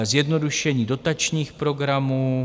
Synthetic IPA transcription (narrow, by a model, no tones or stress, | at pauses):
zjɛdno̞duʃɛɲiːdo̞t̪at͡ʃɲiːxpɾo̞ɡɾamuː